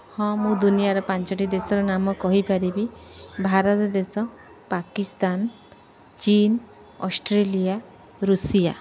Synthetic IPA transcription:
hɔ̃mũd̪unijaɾɔpant͡ʃɔʈid̪esɔɾɔnamɔkɔɦipaɾibibʱaɾɔt̪ɔd̪esɔ | pakist̪an | t͡ʃin | ɔsʈɾelija | ɾusija

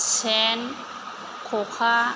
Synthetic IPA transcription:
t͡ɕʰɛːn | kʰoːkʰaː

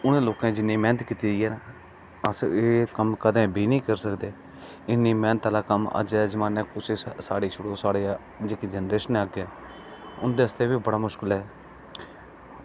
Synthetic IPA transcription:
ʊnẽːloːkãːd͡ʒɪnːĩːmɛ̃ːnət̪kiːt̪iːd̪ijɛːn | əseːkəmkəd̪ẽːbʱiːnĩːkəɾsəkd̪eː | ɪnːĩːmɛ̃ːnət̪aːlaːkəmə̰d͡ʒɛːd͡ʒəmaːnɛ̃ːkʊt͡ʃʰːsaːɽiːt͡ʃʰʊɽoːsaːɽeː | d͡ʒeːkid͡ʒənɾeːʃənɛəɡɛː | ʊ̰nd̪eːɦəst̪eːbiːbəɽaːmʊʃkəlɦɛː

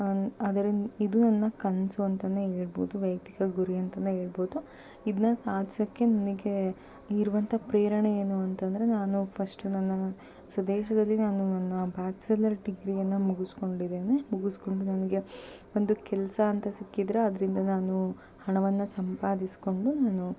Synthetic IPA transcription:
ɐd̪ɐɾiid̪unɐnːɐkɐnsuɐnt̪ɐneːɦeːɭbo̞ːd̪uʋɐjkt̪ikɐɡuɾijɐnt̪ɐneɦeːɭboːd̪u | id̪ɐnɐsaːd̪ʱjɐkːe̞nɐnɐɡe̞ | iɾuʋɐnt̪ʰɐpɾeːɾɐɳejeːnuɐnt̪ɐnd̪ɐɾe̞naːnupʰɐsʈunɐnːɐ | sɐd̪ɛːʃɐd̪ɐlːinaːnunɐnːɐbʱaːt̪selɐɾɖiɡɾijɐnːɐmuɡusko̞ɳɖid̪eːnemuɡusko̞ɳɖunɐnɐɡe̞ | o̞nd̪ukɛlɐsɐːnt̪ɐsikːid̪ɾeɐd̪ɐɾind̪ɐnaːnu | hɐɳɐʋɐnːɐsɐmpaːd̪isi̥ko̞ɳɖunaːnu

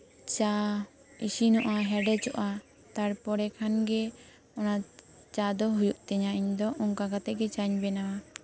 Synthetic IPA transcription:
t͡ʃa | isinɔʔaɦɛɖɛt͡ʃɔʔa | t̪aɽpɔɽɛkʰanɡɛ | ɔna | t͡ʃad̪ɔɦujuʔt̪ɛɲaʔiɲd̪ɔʔɔŋkaɡat̪ɛʔɡɛt͡ʃaɲbɛnawa

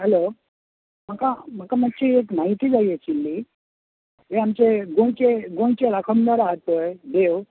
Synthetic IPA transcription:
ɦɛlo | m̤akam̤əkamakt͡ɕiekmaɦit̪iːd͡zaiet͡ɕilːi | ɦeamt͡ɕeɡoɳt͡ɕeɡõɽ̃t͡ɕeɾakʰəmd̪əɾaɦt̪ːojd̪ew

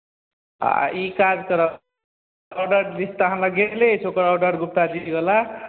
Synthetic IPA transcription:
ikad͡ʒkəɾə | ɔɖəɾnist̪əɦãnlaɡelet͡ʃʰokəɾɔɖəɾɡup̚t̪ad̪iɡela

